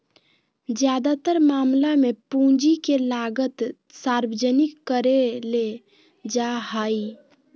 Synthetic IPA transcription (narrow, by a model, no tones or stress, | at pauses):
d͡ʒjad̪at̪əɾmamlamepũd͡ʒikelaɡət̪ | saɾbd͡ʒənikːəɾele | d͡ʒaɦəi